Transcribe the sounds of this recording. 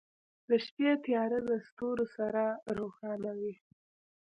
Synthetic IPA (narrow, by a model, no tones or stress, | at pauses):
d̪əʃpet̪ijɑɾed̪əst̪oɾosaɾaɾoxɑnawi